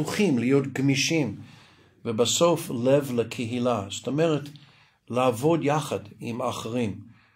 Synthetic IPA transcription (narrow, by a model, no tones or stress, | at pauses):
uχimlijotɡmiʃim | vəbasoflevləkʰeɦilastomeʁet | laːvo̞djaχadimaχeʁim